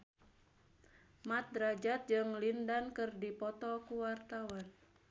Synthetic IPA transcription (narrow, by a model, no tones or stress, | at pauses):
mat̪̚dɾad͡ʒat̪̚d͡ʒɨŋlindankɨrdipɔt̪ɔkuwart̪awan